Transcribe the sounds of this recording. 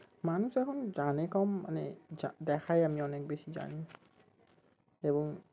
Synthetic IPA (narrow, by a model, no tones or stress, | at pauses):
manusɛkʰɔnzanɛkɔmːa̰nɛadɛkʰajamiɔnɛk̚besiza̰ni | ebɔŋ